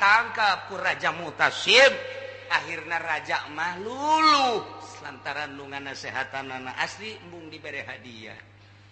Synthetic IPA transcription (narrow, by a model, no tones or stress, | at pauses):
t̪aŋkakurad͡ʒamut̪asip̚ | aɦirnaɾad͡ʒaʔmahluluslant̪aɾanluŋanasɛɦat̪ananaʔaslimbuŋdibɛɾɛɦadia̰